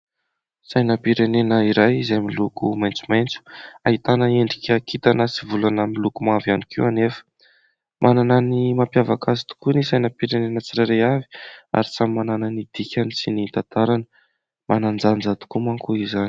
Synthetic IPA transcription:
sajnəpiɾenenəiɾajizajmilukumajnt͡sumajnt͡su̥aɦit̪anəeɳɖ͡ʐikʲakit̪anəsivulanamilukumavianikʰiwanefə̥ | mʔanananimapjavakazi̥t̪u̥kunisajnəpiɾenenət͡siɾaɾejavi̥a̰ɾisamimanananid̪̥ikʲanisinint̪at̪aɾanə | manand͡zand͡zat̪u̥kumaŋkuizani̥

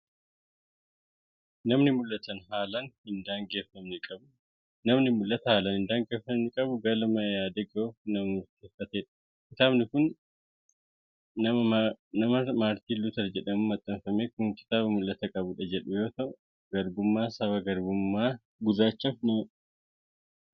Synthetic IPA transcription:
nɐmnɪmʊlːɐt̪ɐnɦaːlɐnhɪnd̪aːŋɡe̞ːfɐmnɛkʼɐbʊ | nɐmnɪmʊlːɐt̪ɐhaːlɐnhɪnd̪aːŋɡe̞ːfɐmnɪkʼɐbʊɡɐlɐmɐjaːd̪eɡɐoːfnɐmɐnʊɾt̪eːfːɐt̪eːᶑɐ̥ | kɪt̪aːbnɪkʊn | ɐɐnɐmɐmaːɾt̪iːlːʊt̪ɐɾd͡ʒɛᶑɐmʊmɐt̪ʼːɐɱfɐmeːkʊŋkɪ̥t̪aːβɐmʊlːɐt̪ɐkʼɐbʊᶑɐd͡ʒɛᶑʊjo̞ːt̪ɐʔʊ | ɡɐɾɡʊmːaːsɐβɐɡɐɾɡʊmːaː | ɡʊdaːt͡ʃːɐfnɐmɐ

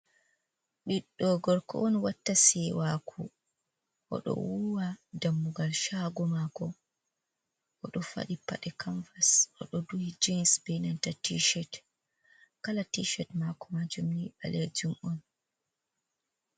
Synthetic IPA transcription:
ɗiɗːɔɡɔɾkɔ̰ʔɔnwatːasɛwakʰu | ʔɔ̰ɗɔ̰wuwadamːuɡalʃaɡɔmakɔ | ʔɔɗɔfa̰ɗipːa̰ɗɛkanfasʔɔ̰ɗɔduhid͡ʒinsbɛnantatiʃɛt | kalatiʃɛtmakɔmad͡ʒumniɓa̰leɾd͡ʒumɔn

